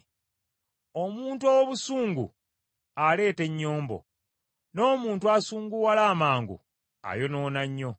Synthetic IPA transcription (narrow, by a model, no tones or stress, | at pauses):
o̞muːntuowoβusuːŋɡṵ | ale̞ːte̞ɲːo̞ːmbo̞̰ | no̞ːmuːntuasuːŋɡuwalaːmaːŋɡṵ | a̰jo̞no̞ːnaɲːo̞